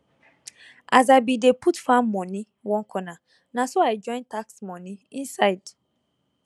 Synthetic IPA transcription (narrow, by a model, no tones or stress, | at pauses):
ʔaz̬abideputfãmmɔ̃nĩ | wɔ̃ŋkʰɔna | nãsoaɪd͡ʒɔ̃ɪ̃ntaksmɔ̃nĩĩnsaɪd̥